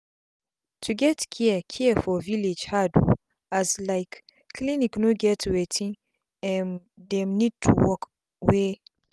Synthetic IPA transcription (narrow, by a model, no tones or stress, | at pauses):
tʰuɡɛtkʰiəkʰiəfɔviled͡ʒhadṵ | azlaɪkːʰ | liniknoɡɛtʰwetʰĩ | ɛ̃n | dɛ̃mnid̚tʰṵwɔk | we